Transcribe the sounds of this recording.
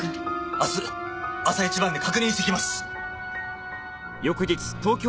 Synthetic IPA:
asɨasait͡ɕibãnd̪ekakɯ̟ɲ̟ʲĩst̪ɨkʲimasɨ̥ | jo̞kɯ̟d͡ʑit͡sɨ̥t̪o̞ːkʲo

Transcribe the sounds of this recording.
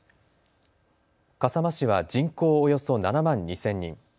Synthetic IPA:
kasamaɕiβad͡ʑĩŋko̞ːjo̞so̞nanamãɲ̟ːisẽ̞ɲ̟ːḭ̃ŋ

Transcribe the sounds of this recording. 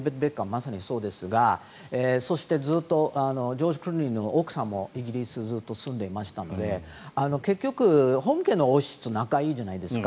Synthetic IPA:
bet̪ɨbekːamasaɲ̟iso̞ːd̪e̞sɨɡa | eso̞ɕi̥t̪e̞d͡zɨːt̪ːo̞ʔano̞d͡ʑo̞ːʑikɯ̟ɾɯĩno̞ːkɯ̟̥sãmːo̞iɡʲiɾʲisɨd͡zɨːt̪ːo̞sɨ̃nd̪e̞imaɕi̥t̪ano̞̰d̪e̞ | ano̞ke̞kʲːo̞kɯ̟hõ̞ŋke̞no̞oɕi̥t͡sɨnakaiːʑanaid̪e̞sɨ̥ka

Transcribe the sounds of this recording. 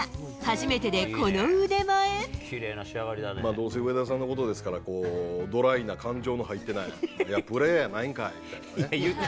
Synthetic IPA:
haʑime̞t̪e̞d̪e̞ko̞noɯd̪e̞maekʲʰiɾe̞ːnaɕiaɡaɾʲid̪anmaːd̪oːs̬eɯ̟ed̪as̬ãnːo̞kot̪od̪e̞sɨ̥kaɾako̞ːd̪o̞ɾainakãɲ̟d͡ʑo̞ːnoɦait̪ːe̞najijapɯ̟ɾeːanaĩŋkaeit̪aae

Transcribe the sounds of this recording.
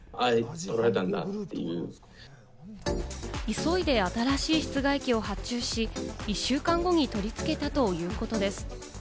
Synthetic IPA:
ait̪o̞ɾaet̪ãnd̪a̰t̪ːe̞̰jɯ̟̰ː | iso̞id̪e̞at̪aɾaɕiːçi̥t͡sɨɡaikʲio̞hat͡ɕɨːɕiiɕːɨːkãŋɡo̞ɲ̟it̪o̞ɾʲit͡sɨ̥ke̞t̪at̪o̞jɯ̟ːko̞t̪o̞d̪e̞sɨ̥

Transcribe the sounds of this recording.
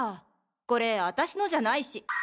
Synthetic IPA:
ko̞ɾe̞at̪aɕino̞ʑanaiɕi

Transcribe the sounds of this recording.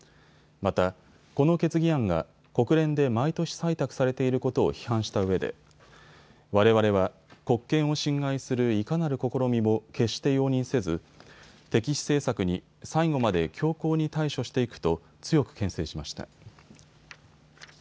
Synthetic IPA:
mat̪a | ko̞no̞ke̞t͡sɨɡʲiãŋɡa̰ | ko̞kɯ̟ɾẽ̞nd̪e̞mait̪o̞ɕi̥sait̪akɯ̟̥saɾe̞t̪e̞iɾɯ̟ko̞t̪o̞̰ːçi̥hãɰ̃ɕi̥t̪aɯ̟βe̞d̪e̞̰ | βaɾe̞βaɾe̞βa | ko̞kːẽ̞ɰ̃o̞ɕĩŋɡaisɨɾɯ̟ikanaɾɯ̟ko̞ko̞ɾo̞mʲimo̞ke̞ɕt̪e̞jo̞ːɲ̟ĩɰ̃se̞zɨ | t̪e̞kʲiɕi̥se̞ːsakɯ̟ɲ̟i | saiɡo̞mad̪e̞kʲo̞ːko̞ːɲ̟it̪aiɕo̞ɕi̥t̪e̞ikɯ̟̥t̪o̞ | t͡sɨjo̞kɯ̟̥kẽ̞ɰ̃se̞ːɕimaɕi̥t̪a̰

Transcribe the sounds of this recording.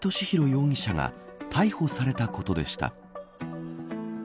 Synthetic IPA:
t̪o̞ɕiçiɾo̞jo̞ːɲ̟ʲiɕaŋa̰t̪ʰaiho̞saɾe̞t̪ako̞t̪o̞d̪e̞ɕi̥t̪a̰

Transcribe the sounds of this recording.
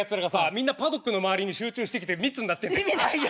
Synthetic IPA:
at͡sɨɾaɡasamʲĩnːapad̪o̞kːɯno̞maβaɾʲiɲ̟iɕɨːt͡ɕɨːɕi̥t̪e̞kʲit̪̬emʲit͡sɨnːat̪ːen

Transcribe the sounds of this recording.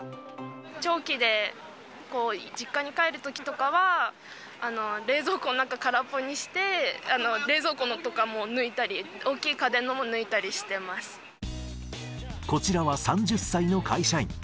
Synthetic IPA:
t͡ɕo̞ːkʲid̪e̞ | ko̞ːd͡ʑikːaɲ̟ikae̞ɾɯ̟t̪o̞kʲi̥t̪o̞kaβaː | no̞ɾe̞ːzo̞ːkononãŋkakaɾapːoɲ̟iɕi̥t̪e̞ano̞ɾe̞ːzo̞ːkonot̪o̞kamo̞nɯ̟it̪aɾʲio̞ːkʲiːkad̪ẽ̞nːo̞mo̞nɯ̟it̪aɾʲiɕi̥t̪e̞masɨ̥ | ko̞t͡ɕiɾaβasãɲ̟d͡ʑɨsːaino̞kʰaiɕaḭ̃

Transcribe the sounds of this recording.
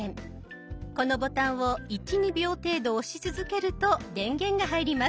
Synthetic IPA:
ẽŋ | ko̞no̞bo̞t̪ãɰ̃βo̞it͡ɕʲiɲ̟ibʲjo̞ːt̪e̞ːd̪o̞ːɕit͡sɨzɨke̞ɾɯ̟t̪o̞d̪ẽ̞ŋɡẽ̞ŋɡaɦaiɾʲima

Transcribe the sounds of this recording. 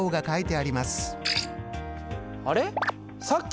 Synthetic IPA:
oːɡakait̪e̞aɾʲimasɨ̥ | aɾe̞ | sakʲː

